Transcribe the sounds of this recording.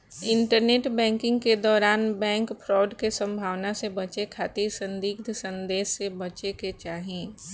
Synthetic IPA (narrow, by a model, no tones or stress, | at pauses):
ɪ̃ɳʈəɾneːʈbɛ̃ːŋkɪ̃ŋɡked̪ɔːɾaːnbɛ̃ːŋkpʰɾɔːɖkesə̃mbʱaːʋnasebɐt͡ʃekʰaːt̪iɾsə̃nd̪iːɡd̪ʱsɐ̃nd̪eːssebɐt͡ʃeket͡ʃaːɦiẽː